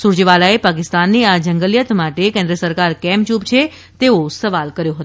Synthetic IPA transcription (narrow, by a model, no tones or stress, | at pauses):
suɾd͡ʒʋalaepak̬ɪst̪anːiad͡ʒəŋɡəljət̪maʈekẽnd̪ɾəsəɾkaɾkɛmt͡ʃupt͡ʃʰe | t̪eosəʋalkəɾjõɦət̪